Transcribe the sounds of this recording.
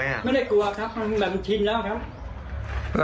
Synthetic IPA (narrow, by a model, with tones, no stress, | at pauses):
m˥˩jda˥˩jku˧˩ɐkʰɾa˦˥p̚ma˧˩˧ma˨˩˧t͡ɕ̪ʰi˧nlɛː˦˥˩kʰa˦˥p̚